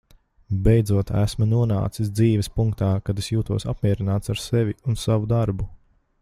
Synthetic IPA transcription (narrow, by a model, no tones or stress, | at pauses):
bejd̪zuɔt̪æ̰smunuɔna̰ːt̪sisd̪ziːvɛspuŋk̚t̪aːkad̪esjuːt̪uɔsapmʲiɛɾinaːt̪saɾsevʲiunsavud̪aɾbu